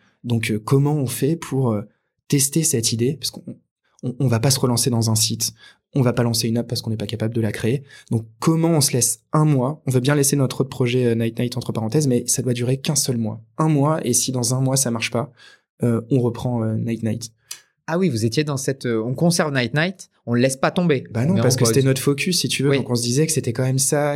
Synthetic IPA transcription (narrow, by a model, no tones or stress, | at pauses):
d̪ɔ̃køkɔmɑ̃ɔ̃fɛpʰuʁø | t̪ɛst̪esɛt̪id̪epḁskɔ̃ː | vapasəʁəlɑ̃sed̪ɑ̃zɛ̃sit̪ | ɔ̃vapalɑ̃seynap̚pːaʁskɔ̃nɛpakapabləd̪əlakχeed̪̥ɔ̃kːɔmɑ̃ɔ̃səlɛsɛ̃mwaɔ̃vøbjɛ̃lɛsenɔt̪χot̪̚pχɔʒɛønajt̪̚najt̪ɑ̃t̪χəpaʁɑ̃t̪ɛzmɛsad̪wad̪yʁekɛ̃sœlmwa̰ɛ̃mwaesid̪ɑ̃zɛ̃mwas̬amaʁʃpa | øɔ̃ʁəpχɑ̃ønajt̪najt̪ | awivuzet̪jed̪ɑ̃sɛt̪øɔ̃kɔ̃sɛʁvnajt̪̚najt̪ | ɔ̃ləlɛspat̪ɔ̃bebanɔ̃paʁsə̥kəset̪ɛnɔt̪χfɔkʲʰysːit̪ʰyvøɔ̃kɔ̃s̬əd̪izɛkə̥set̪ɛkɑ̃mɛmsa